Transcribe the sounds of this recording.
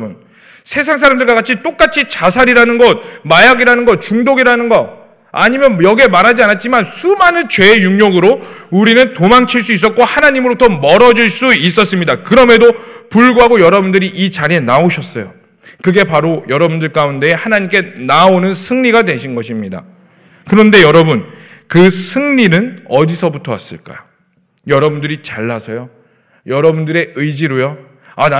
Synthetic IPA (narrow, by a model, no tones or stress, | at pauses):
bun | sʰe̞s̬ʰaŋsʰaɾamdɯɭɡwaɡat͡ɕʰit͈ok͈at͡ɕʰit͡ɕasʰaɾiɾanɯnɡʌt̚majaɡiɾanɯnɡʌt̚t͡ɕuŋdoɡiɾanɯnɡʌ | a̰ɲimjʌnjʌɡie̞maɾɦad͡ʑianat̚t͡ɕ͈imansʰumanɯnt͡ɕwe̞ːjuŋɲoɡɯɾouɾinɯntomaŋt͡ɕʰiɭs͈uis͈ʌt̚k͈ohanaɲimɯɾotʰʌmʌɾʌd͡ʑiɭs͈uis̬͈ʌs͈ɯmɲidakɯɾʌme̞dopuɭɡuɦaɡojʌɾʌbundɯɾiʔit͡ɕaɾɦe̞naoɕʰʌs͈ʌjo | kɯɡe̞paɾojʌɾʌbundɯɭk͈aunde̞ːhanaɲimk͈e̞naonɯnsʰɯŋɲiɡadwe̞ɕʰinɡʌɕʰimɲida̰ | kɯɾʌnde̞jʌɾʌbun | kɯsʰɯŋɲinɯnʌdisʰʌbutʰʌwas͈ɯ̰ɭk͈a̰jo | jʌɾʌbundɯɾit͡ɕaɭːasʰʌjo | jʌɾʌbundɯɾe̞ɯid͡ʑiɾojo | an